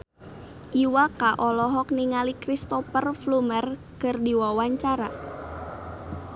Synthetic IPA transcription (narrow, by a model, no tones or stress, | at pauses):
ʔiwakaʔɔlɔɦɔkniŋalikɾist̪ɔpərflumər | kərdiwawaɲt͡ʃaɾa